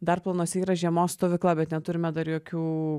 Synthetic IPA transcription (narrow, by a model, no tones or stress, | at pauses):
d̪ɐrplˠɐːnoːsʲɛiːɾɐʒʲiɛmoːsst̪oːʋʲɪklˠɐbʲɛt̪nʲɛt̪ʊɾʲɪmʲɛd̪ɐɾjoːkʲuː